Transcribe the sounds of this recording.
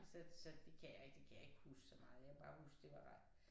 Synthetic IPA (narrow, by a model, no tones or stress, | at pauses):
sɒsɒ̽d̥e̝kʰæjɑe̝ɡ̥d̥e̝kʰæjäe̝ɡ̥əhusɡ̥sɒ̽mɑ̈ːð̩ˠjaʋeb̥ɑ̈ːhusɡ̥̚d̥e̝ʋɑ̥̈ad̥